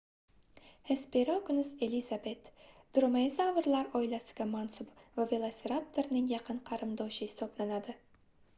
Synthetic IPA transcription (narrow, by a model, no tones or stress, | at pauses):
hespeɾakʊnɪze̞lizabe̞t̪d̪̥ɾomezavɨɾlaɾɒɪlasɪ̥ɡʲamansʊbvavʲelˠasʲeɾap̚t̪ʰeɾnɪŋjɑqʰɨnqʰɑɾɨmd̪ɒwʃɪɪsɒplanad̪ɪ